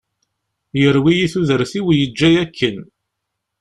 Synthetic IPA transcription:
jəɾwijiθuðəɾθiwjəd͡ʒːæjækʰːən

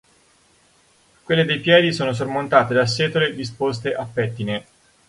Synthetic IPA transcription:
kwelːed̪ejpjɛːd̪isoːnos̬ormont̪aːt̪ed̪asːɛːt̪oled̪ispost̪eʔapːɛt̪ːine

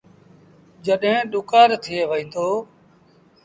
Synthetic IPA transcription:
d͡ʒəɗɦẽːɗʊkaːɾt̪ʰɪeːʋəĩːnd̪oː

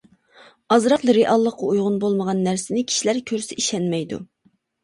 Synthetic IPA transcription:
ɑzɾɑqlˠɾeʔɑlˠːəqːɑujʁʊnbolˠməʁɑnːæɾsɪnɪkʲʰi̥ʃilæɾkʲʰøɾsɪʔiʃɛnmɛjd̪ṵ

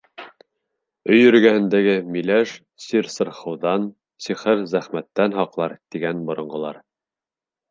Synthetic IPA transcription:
ɵjɵ̆ɾ̆ɡæhɘ̆nd̪æɡɘmilæʃ | siɾsɤ̆ɾχɤ̆wðɑn | siχɘɾzæχmæt̪ːænɦɑqlˠɑɾt̪iɡænbŏɾŏɴɢɤ̆lˠɑɾ

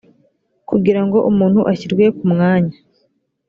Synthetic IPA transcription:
kuɡiɾaŋɡo̞ʔumuːn̥huʔaçiɾɡwe̞kumŋaːɲa

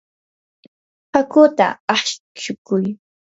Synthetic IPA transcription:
hakʊt̪a̰ɑχʃ | ʃʊkʊj

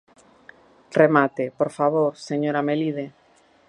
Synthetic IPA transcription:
remat̪epoɾfaβ̞oɾseɲoɾameliðe

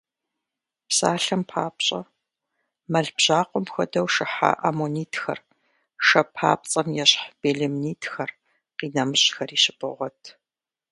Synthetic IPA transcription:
psaːɬɐmpʰaːpɕʼɐ | mɐɮbʑaːqʷɔmxɐdɐwʃɪħa̰ʔamoniːtʰxɐ̰r | ʃɐpʰa̰ːp̚t͡sʼɐmjɛɕħb̥eːɮɪmniːtʰxɐr | qiːnɐmɨɕʼxɐriːɕɪpʰʼɨ̰ʁʷɔtʰ

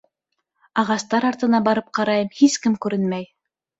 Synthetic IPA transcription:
ɑʁɑst̪ɑɾɑɾt̪ɤ̆nɑbɑɾɤp̚qɑɾɑjɤmhiskɘmkʉɾɘnmæj

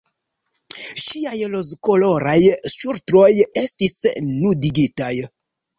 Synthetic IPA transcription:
ʃiajlozkoloɾajsʃuɾtɾo̞jestisnudiɡitaj

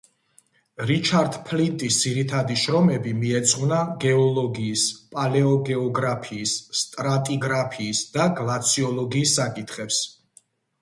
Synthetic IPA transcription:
ɾit͡ʃʰaɾd̪pʰlit̪ʼisd̪z̥iɾit̪ʰad̪iʃɾɔmɛbimiɛt̪sʼʁvnaɡɛɔlˠɔɡiːspʼalɛɔɡɛɔɡɾapʰiːsːt̪ʼɾat̪ʼiɡɾapʰiːsd̪aɡlˠat̪sʰiɔlˠɔɡiːsːakʼit̪ʰχɛps

